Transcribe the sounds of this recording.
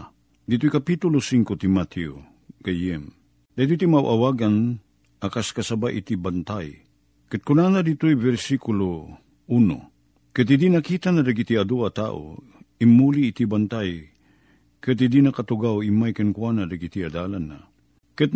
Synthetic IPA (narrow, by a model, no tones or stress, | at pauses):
d̪it̪oikapit̪ulosiŋkot̪imat̪ʰɛo | ɡ̥ajɛm | d̪ajt̪̬uit̪imawʔawaɡan | akaskasabaʔḭt̪ibant̪aj | kɨt̪̚kunanad̪it̪oibɛɾsikulo | uno̰ | kɨt̪id̪inakit̪anad̪aɡit̪iad̪uat̪a̰ʔo̰ | imːuliːt̪ibant̪aj | kɨt̪hid̪inɐkat̪uɡawimajkɨnkwanad̪aɡit̪iad̪alanːa̰ | kɨt̪̚